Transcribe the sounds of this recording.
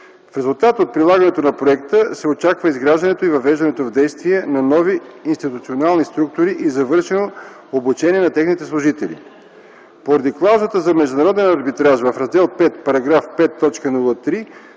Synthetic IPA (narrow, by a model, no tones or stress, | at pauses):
fɾɛzulˠt̪at̪ot̪̚pɾilˠaɡɐnɛt̪onɐpɾoɛkt̪əsɛot͡ʃakvəizɡɾaʒd̪ɐnɛt̪oivɐvɛʒd̪ɐnɛt̪ovd̪ɛjst̪viɛnɐnɔviinst̪it̪ut̪sionalˠnist̪ɾuk̚t̪oɾiʔizɐvɤɾʃɛno | obut͡ʃɛniɛnɐt̪ɛxnit̪ɛslˠʊʒit̪ɛlʲḭ | poɾɐd̪iklˠawzət̪əzɐmɛʒd̪ʊnɐɾɔd̪ɛnɐɾbit̪ɾaʒvɐfɾɐzd̪ɛlˠpɛt̪pɐɾɐɡɾafpɛt̪ːɔt͡ʃkənulˠət̪ɾi